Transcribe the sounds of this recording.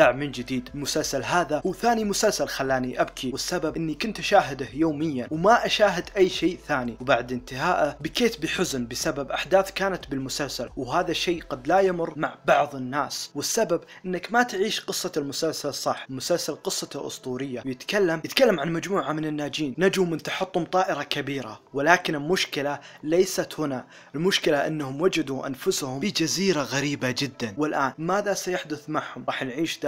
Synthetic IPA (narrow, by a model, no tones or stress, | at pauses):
aʕmɪnd͡ʒɪd̪iːd̪lmʊsalsalɦaːðahuːθaːnimʊsalsalxalːaːniʔabkʰiwɪsːababʔɪnːikʊnt̪ʔʃaːɦɪd̪ahjoːmɪjːanwmaʔaʃaːɦɪd̪ʔajːʃeːʔθaːniwbaʕd̪ʔɪnt̪ɪɦaːʔabɪkeːt̪bɪħʊznbɪsababʔaħd̪aːθkaːnat̪bɪlmʊsalsalwɦaːðaʃːeːɡad̪lajamʊrmaʕbɑʕðˤɪnːaːswɪsːababʔʔɪnːakmat̪ʕiːʃqɨsˤːɑlmʊsalsalsˤːɑħlmʊsalsalqɨsˤːɑlʔʊ̰sˤt̪ˤuːɾɪjːawjɪt̪kalːamjɪt̪kalːamʕanmad͡ʒmuːʕamɪnɪnːaːd͡ʒiːnnad͡ʒumɪnt̪aħɑt̪ˤːhʊmt̪ˤɑːʔɪɾɑkabiːɾa̰wɪlaːkɪnɪlmʊʃkɪla | lejsat̪hʊna | ɪlmʊʃkɪlaʔɪnːhʊmwad͡ʒad̪uʔa̰nfʊshʊmid͡ʒaziːɾaɣaɾiːbad͡ʒɪd̪ːanwɪlʔaːnmaːðasajaħd̪ʊθmaʕhʊmɾɑːħjnʕiːʃd̪a